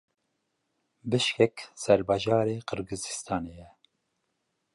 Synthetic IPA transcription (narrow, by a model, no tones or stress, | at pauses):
bɨʃkɛksɛɾbɑːʒɑːɾeːqɨɾɡɨzist̪ʰɑːnejɛ